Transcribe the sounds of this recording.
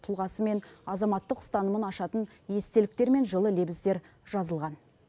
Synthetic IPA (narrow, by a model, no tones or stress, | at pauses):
t̪ʰʊlˠʁɑsəme̞nɑzɑmɑt̪ːəqʊ̥st̪ɑnəmənɑʃɑt̪ən | je̞st̪e̞lɪk̚t̪e̞ɾme̞nʒəlˠəle̞bɪsd̪e̞ɾ | ʒɑzəlˠʁɑn